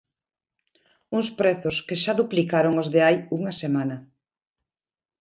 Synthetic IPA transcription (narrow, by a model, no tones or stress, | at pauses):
uŋspɾɛθʊskeʃaðuplikaɾoŋozðeajuŋɐsemanɐ